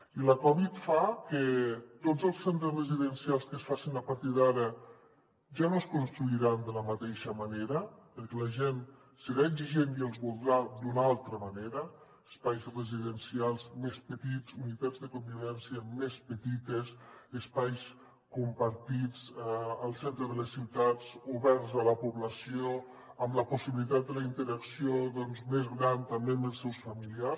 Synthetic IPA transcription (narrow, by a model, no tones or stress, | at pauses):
iləkɔβit̪fakət̪ozəlˠssent̪ɾəzrəziðənsialˠskəsfasinəpaɾt̪iðaɾə | ʒanoskunst̪ɾuiɾand̪ələmət̪eʃəmɐneɾəpəɾkɛlɐʒen | səɾaeɡziʒenielˠzβulˠd̪ɾad̪unalˠt̪ɾəməneɾəː | spajzreziðənsialˠzmespət̪id͡zunit̪ad͡zðəkumbiβɛnsiəmespət̪it̪esəspajs | kumpəɾt̪id͡zəlˠsent̪ɾəðələsːiwt̪ad͡zuβɛɾzələpuβləsio | əmləpusiβilit̪at̪̚d̪əlaint̪əɾaksioðɔnzmezɣɾant̪ambembəlˠsɛwsfəmilias